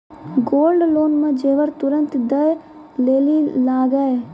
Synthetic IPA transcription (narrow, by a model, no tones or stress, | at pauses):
ɡoːlɖloːnmãd͡ʒeːʋəɾt̪ʊɾə̃nt̪d̪əj | leːlilaːɡəe